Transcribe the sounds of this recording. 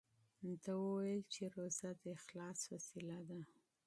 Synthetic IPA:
nt̪awəwajəlt͡ʃeɾozat̪ɪxlɑsfasilad̪a

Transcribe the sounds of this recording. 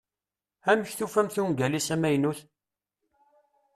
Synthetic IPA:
æməçθufæmθuɡælisæmæjnuθ

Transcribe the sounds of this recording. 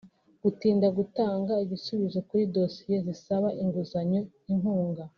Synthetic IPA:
ɡ̥utiːndaɡutaːŋɡaiβisuβizokuɾidosije̞zisaβaʔiŋɡuzaɲo | iŋhuːŋɡa

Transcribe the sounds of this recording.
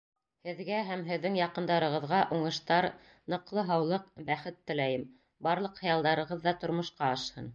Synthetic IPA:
hɘ̆ðɡæɦæmɦɘ̆ðːɘŋjɑqɤ̆nd̪ɑɾɤ̆ʁɤ̆ðʁɑʔuɴɤ̆ʃt̪ɑɾ | nɤ̆qlˠɤɦɑwlˠɤq̚bæχɘt̪ːɘ̆læjɘm | bɑɾlˠɤqhɑ̆jɑlˠd̪ɑɾɤ̆ʁɤðːɑt̪ŏɾmŏʃqɑɑʃhɤn

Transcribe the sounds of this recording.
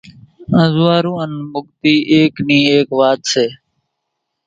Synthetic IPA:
ə̃zʋaːɾũːənmʊɠ̚t̪iːʔeːkniːeːkʋaːt̪seː

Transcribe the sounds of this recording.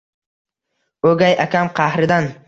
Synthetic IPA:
ɵɡʲajakʲʰamqʰɑhɾɪd̪an

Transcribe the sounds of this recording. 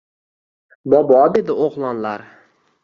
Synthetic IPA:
bɒbɒd̪e̞d̪ɪoχlˠɒnlaɾ

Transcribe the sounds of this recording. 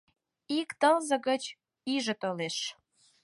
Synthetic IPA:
ikt̪əlzə̆ɣət͡ɕ | iʒə̆t̪oleʃ

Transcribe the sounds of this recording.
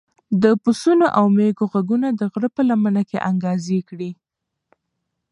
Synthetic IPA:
d̪əpʊsunoʔawmeɡoɣaɡunad̪əɣɽəpəlamənakḛʔaŋɡɑzekɽi

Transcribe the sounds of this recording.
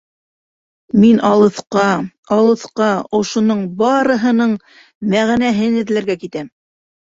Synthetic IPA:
minʔɑlˠɤ̆θqɑ | ɑlˠɤ̆θqɑŏʃŏnɤɴbɑɾɤ̆ɦɤ̆nɤɴ | mæʁnæɦɘnɘ̆ðlæɾɡækit̪æm

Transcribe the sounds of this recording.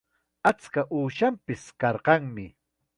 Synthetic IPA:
at͡skaʔuːʃampɪskɑɾqɑŋmɪ

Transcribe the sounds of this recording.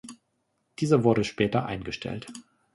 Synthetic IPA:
d̥iːzɐvʊɐɾəʃpɛːtɐʔa̰ɪnɡəʃtʰɛ̰lt

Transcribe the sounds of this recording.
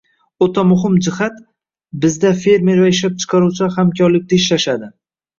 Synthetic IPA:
ot̪ʰamʊɦɪmd͡ʒɪhat̪ | bɪzd̪afe̞ɾme̞ɾvaɪʃlap̚t͡ʃʰɨ̥qʰɑɾuwt͡ʃʰahamkʲʰɒɾlɪk̚ʲt̪aɪʃlaʃad̪ɪ

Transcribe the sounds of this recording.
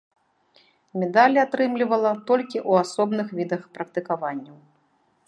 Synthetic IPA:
mʲɛd̪alʲat̪ɾɨmlʲivɐlˠɐt̪ɔlʲkʲiʔuasɔbnɨxvʲid̪ɐxpɾɐk̚t̪ɨkavanʲːɐw

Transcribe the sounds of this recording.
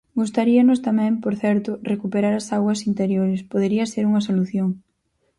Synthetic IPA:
ɡust̪aɾiɐnʊst̪amɛ̃mpoɾθɛɾt̪ʊrekupeɾaɾasaɣwɐsint̪eɾjoɾespoðeɾiɐseɾuŋɐsoluθjoŋ

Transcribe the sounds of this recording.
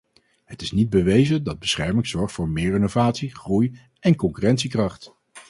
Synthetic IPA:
ɦətɪsnid̚bəʋejzədɑd̚bəsχɛɹmɪŋz̥ɔɹχtfʊːɹmɪːɹɪnovaːtsiχruj | ɛnkɔŋkyrɛntsikrɑχt

